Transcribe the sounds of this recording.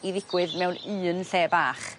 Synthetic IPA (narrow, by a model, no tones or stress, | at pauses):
iðɪɡ̥wɨðmɛwnɨːnɬeːbaːχ